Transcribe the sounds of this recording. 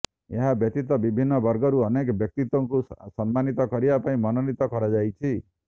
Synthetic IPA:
eɦabjɔt̪it̪ɔbibʱinːɔbʌɾɡɔɾuɔnekɔbjɔk̚t̪it̪wɔŋkusɔmːanit̪ɔkɔɾibapaĩmɔnɔnit̪ɔkɔɾad͡ʒajt͡ʃʰi

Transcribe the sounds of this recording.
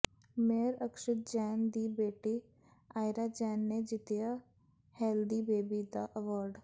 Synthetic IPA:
meːɾəkʃɪt̪̚d͡ʒɛːnd̪iːbeːʈiː | aːɪɾaːd͡ʒɛːnːeːd͡ʒɪt̪ɪjaː | hɛːld̪iːbeːbiːd̪aːʔəʋəːɾɖ

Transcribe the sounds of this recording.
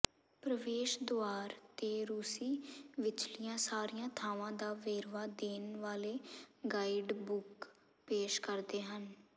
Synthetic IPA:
pɾəʋeːʃd̪oaːɾt̪eːɾuːsiːʋɪt͡ʃlɪjãːsaːɾijãːt̪ʰaːʋãːd̪aːʋeːɾʋaːd̪eːnʋaːleːɡaːɪɖbʊk | peːʃkəɾd̪eːɦən

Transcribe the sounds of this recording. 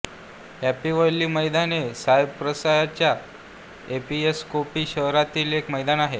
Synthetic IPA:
hæpiʋəlːiːməjd̪anesaebpɾəsajat͡ɕja | epieskopiːɕəɦɾat̪iːlekməjd̪anaɦe

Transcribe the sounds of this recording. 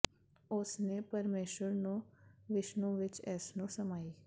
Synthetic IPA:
ʊsneːpəɾmeːʃəɾnũːʋɪʃnõːʋɪt͡ʃɛːsnũːsəmaːiː

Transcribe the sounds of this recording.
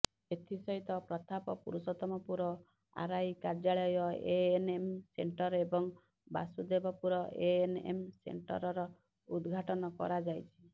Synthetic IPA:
et̪ʰisɔɦit̪ɔpɾɔt̪ʰapɔpṵɾusɔt̪ɔmɔpuɾɔ | a̰ɾajkaɾd͡ʒaɭɔjɔḛenemseɳʈɔɾebɔŋ | ba̰sud̪ebɔpuɾɔʔeenḛmsḛɳʈɔ̰ɾɔɾɔ | ud̪ɡʱaʈɔnɔkɔ̰ɾad͡ʒajt͡ʃʰi̥

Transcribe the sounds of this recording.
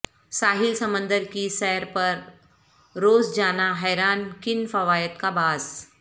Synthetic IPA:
saːɦɪlsɐmə̃nd̪əɾkisɛɾpɐɾ | ɾoːzd͡ʒaːnaɦɛːɾaːnkɪnfɐʋaːjət̪kabaːz

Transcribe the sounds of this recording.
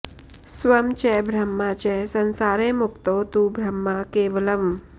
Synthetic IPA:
sʋɐmt͡ɕebʱɾɐmːat͡ɕesənsaːɾemukt̪ot̪uːbʱɾɐmːakeʋələm

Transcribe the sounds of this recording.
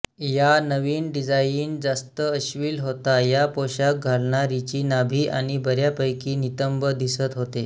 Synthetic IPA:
janəʋiːnɖid͡zajiiːnd͡zast̪əəɕʋiːlɦot̪ajapoɕak̚ɡʱalɳaɾit͡ɕiːnabʱiːʔaɽ̃ibəɾjapəjkiːnit̪əmbəd̪isət̪ɦot̪e

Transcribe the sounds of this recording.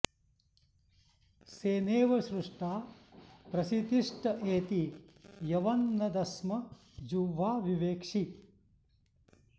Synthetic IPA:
seːneːʋɐʃɾuʂʈaːpɾɐsit̪iʂʈɐʔeːt̪i | jɐʋɐnːɐd̪ɐsmɐ | d͡ʒuʋʱaːʋiʋeːkʂi

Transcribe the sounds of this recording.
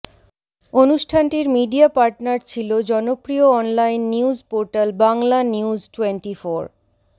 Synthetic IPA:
onuʃʈʰanʈiɾmiɖiapaɾʈnaɾt͡ɕʰilod͡ʑɔnopɾioɔnlajnːiud͡ʑpoɾʈalbaŋlaniud͡ʑʈweɳʈifoɾ

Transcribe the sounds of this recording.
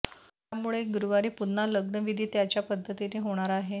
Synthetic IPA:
t̪jamuɭeɡuɾuʋaɾiːpunnaləɡnəʋid̪ʱiːt̪jat͡ɕjapəd̪ʱːət̪ineːɦoɽ̃aɾaɦe

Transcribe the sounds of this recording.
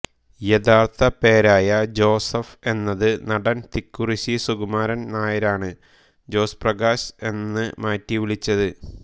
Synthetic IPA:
je̞ðaːrt̪ʰɐpe̞ːɾaːjɐd͡ʑo̞ːsɐfe̞nːɐðɨnɐɽɐnt̪ikːuriɕisuɡumaːɾɐnnaːjɐɾaːɳɨ | d͡ʑo̞ːsprɐɣaːɕe̞nːɨmaːtːiʋiɭit͡ɕːɐðɨ

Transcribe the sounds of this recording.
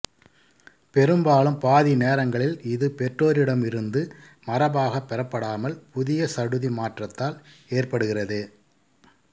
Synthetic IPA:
pɛɾɯmbaːlɯmpaːðineːɾɐŋɡɐɭɪlɪðɯpɛʈroːɾɪɽɐmɪɾɯnd̪ɯ | mɐrɐbaːɣɐpːɛɾɐpːɐɽaːmɐlpʊðɪjɐsɐɽɯðimaːʈrɐt̪ːaːleːrpɐɽɯɣɪrɐðɯ

